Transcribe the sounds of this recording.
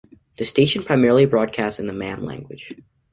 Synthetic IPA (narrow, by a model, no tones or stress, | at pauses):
ðɨsteɪʃɨ̃n̩pʰɹ̥aɪmɛɹl̩ˠibɹɔd̚kʰæstsɨ̃nðəmæ̃mlæ̰̃ŋɡwɨ̰d̥ʒ̥